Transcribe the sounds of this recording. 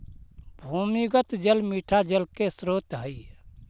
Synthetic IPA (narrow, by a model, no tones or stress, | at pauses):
bʱumiɡət̪d͡ʒəlmiʈʰad͡ʒəlkesɾoːt̪ɦəi